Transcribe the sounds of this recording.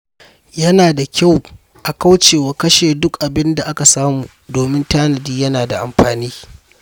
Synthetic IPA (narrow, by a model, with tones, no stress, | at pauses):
jɐ˦naː˨da˨kʲa˦˨w | ʔa˨ka˦wt͡ʃeː˨wa˨kɐ˦ʃeː˨dʊ˦kʔa˨bɪ˦nda˨ʔa˦ka˨saː˦muː˨ | doː˨mɪ˦ntaː˦nɐ˨diː˦jɐ˦naː˨da̰˨ʔa̰˨mɸaː˨niː˦